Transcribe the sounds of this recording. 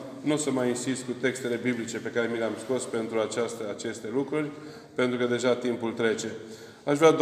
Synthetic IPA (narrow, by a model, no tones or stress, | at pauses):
nusəmajinsist̪̚kut̪e̞kst̪e̞le̞biblit͡ʃe̞pe̞kaɾe̞mileamsko̞spe̞nt̪ɾuat͡ʃast̪əat͡ʃe̞st̪e̞lukɾurʲ | pe̞nt̪ɾukəd̪e̞ʒat̪impult̪ɾe̞t͡ʃe̞ | aʃvɾad̪